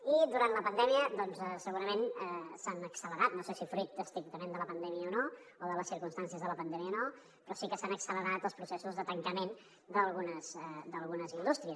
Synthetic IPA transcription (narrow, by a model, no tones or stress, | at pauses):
id̪uɾant̪ləpənd̪ɛmiəd̪ɔnzɛsəɣuɾəmenɛsanəksələɾat̪̚nosesifɾut̪̚əst̪ɾik̚t̪əmẽnd̪ələpənd̪ɛmiəono | oðələsiɾkumst̪ansiəzðələpənd̪ɛmiəono | pɾɔsikəsanəksələɾat̪əlˠspɾusesuzðət̪əŋkəmen | d̪əlˠɣunəz̥ɛd̪əlˠɣunəzind̪ust̪ɾiəs